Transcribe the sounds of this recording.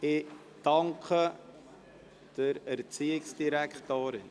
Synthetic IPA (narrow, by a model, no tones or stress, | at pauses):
ɪ | d̥ɑŋkʰə | d̥əɾɛɾt͡siːɪksd̥iɾækχtoːɾɪn